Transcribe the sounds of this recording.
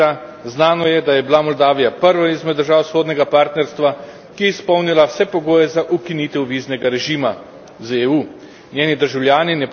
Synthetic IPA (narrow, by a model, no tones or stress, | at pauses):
a | znaːnɔjɛd̪ajɛbilamɔld̪aːʋijapəɾʋaizmɛd̪ːəɾʒaːwsoːd̪nʲɛɡapaːɾt̪nɛɾst̪ʋa | kijɛispɔwnilawsɛpɔɡoːjɛzaʔukinit̪ɛwʋiznɛɡaɾɛʒiːma | zeːuː | nʲjeːnid̪əɾʒawlʲjaːninɛp